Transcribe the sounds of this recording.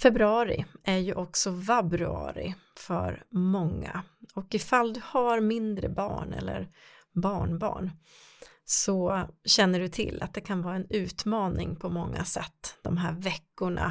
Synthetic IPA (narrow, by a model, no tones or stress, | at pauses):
fɛbɾɵɑːɾɪ̰ʔæɾjɵʔɔksɔvabɾɵɑ̰ːɾɪ̰fœɾmɔŋːaɔkɪfald̪ɵhaɾmɪnd̪ɾə̰bɑːɳɛ̰lːə̰ɾ | bɑːɳbɑ̰ːɳ | sɔɕɛnːəɖɵt̪ʰɪlːa̰t̪̚d̪ɛkʰanvɑːɾaɛnʉ̟ːt̪mɑːnɪŋpʰɔmɔŋːasɛt̪ːd̪̥ɔmɦæːɾvɛkːʊɳa̰